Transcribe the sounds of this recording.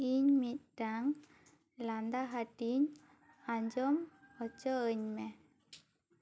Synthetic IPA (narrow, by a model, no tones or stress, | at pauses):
iɲmit̪̚ʈaŋ | land̪aɦaʈiɲ | aɲd͡ʒɔmət͡ʃəːɲmɛ